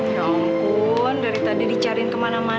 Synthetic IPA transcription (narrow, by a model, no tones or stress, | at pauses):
ɲɔŋku | ndaɾit̪adidit͡ʃaɾɪnt̪əmanama